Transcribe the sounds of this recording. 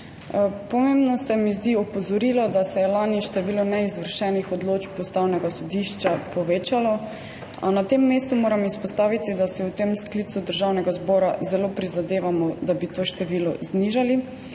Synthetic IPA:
pɔmembnɔsɛmizd̪iɔpɔzɔɾiːlɔd̪asɛjɛlaːniʃt̪ɛʋiːlɔnɛizʋəɾʃɛːnixɔd̪loːt͡ʃpɔst̪aːwnɛɡasɔd̪iʃt͡ʃapɔʋeːt͡ʃalɔ | a̰nat̪emːeːst̪umoːɾamispɔst̪aːʋit̪id̪asɛwt̪emsklit̪sud̪əɾʒawnɛɡazbɔːɾazɛloːpɾizad̪eːʋamɔd̪abit̪oːʃt̪ɛʋiːlɔ̰zniʒali

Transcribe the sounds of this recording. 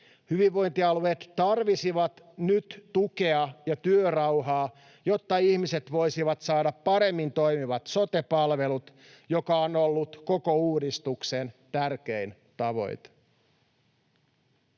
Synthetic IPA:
hyʋiʋːo̞jnt̪iɑlueːt̪t̪ɑrʋisiʋɑt̪ | nyt̪ːukeɑjɑt̪yørɑwɦɑː | jo̞t̪ːɑihmiset̪ʋo̞jsiʋɑt̪sɑːɾɑpːɑɾe̞mːint̪o̞jmiʋɑt̪so̞t̪epɑlʋe̞lut̪ | jo̞kɑonolːut̪ko̞ko̞uːdist̪uksent̪ærk̟ein | t̪ɑʋo̞̰jt̪

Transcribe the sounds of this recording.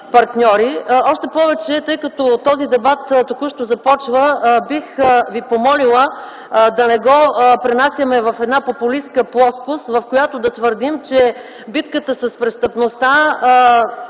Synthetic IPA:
pɐɾt̪nʲɔɾiɔʃt̪ɛpɔvɛt͡ʃɛt̪ɤjkɐt̪ɔt̪ɔzid̪ɛbat̪t̪okuʃt̪ozɐpɔt͡ʃvəbixvipomɔlilˠə | d̪ɐnɛɡɔpɾɛnasʲjɐmɛvɐfɛd̪napopʊliskəplˠɔskʊsvɐfkojat̪ʊd̪ɐt̪vəɾd̪imt͡ʃɛ | bit̪kət̪əsɐspɾɛst̪əpnost̪a

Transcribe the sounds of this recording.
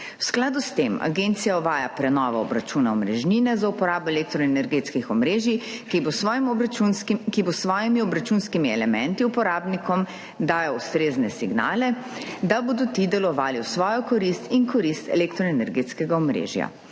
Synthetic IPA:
wsklaːd̪ust̪ema̰ɡent̪sijaɔʋaːjapɾɛnɔːʋɔɔbɾat͡ʃuːnaɔmɾɛʒniːnɛzaupɔɾaːbɔelek̚t̪ɾɔenɛɾɡeːt̪skixɔmɾeːʒi | kibosʋɔːjimiɔbɾat͡ʃuːnskimiɛlɛmɛnt̪iupɔɾaːbnikɔm | d̪aːjaust̪ɾeːznɛsiɡna̰ːlɛ | d̪aboːd̪ɔt̪id̪ɛlɔʋaːliwsʋɔːjɔkɔɾist̪inkɔɾist̪ɛ̰lekt̪ɾɔenɛɾɡet̪skɛɡaɔmɾḛːʒja̰

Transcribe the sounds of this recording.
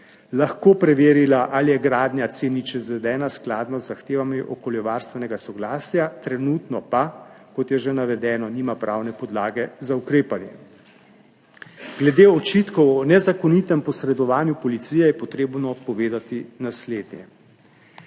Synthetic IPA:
laxkoːpɾɛʋeːɾilaʔalijɛɡɾaːd̪nʲjat̪senit͡ʃɛzʋɛd̪ɛːnasklaːd̪nɔzːaxt̪eːʋamiʔɔkoljɔʋaːɾst̪ʋɛnɛɡasɔɡlaːsjat̪ɾɛnuːt̪nɔpakɔt̪jɛʒɛnaʋɛd̪ɛːnɔniːmapɾʔaːwnɛpɔd̪laːɡɛzaukɾeːpanjɛ̰ | ɡ̥lɛd̪eːɔt͡ʃiːt̪kɔwɔnɛzakɔnit̪ɛmpɔsɾɛd̪ɔʋaːnjupɔlit̪sijɛjɛpɔt̪ɾeːbnɔpɔʋeːd̪at̪inasleːd̪njɛ̰

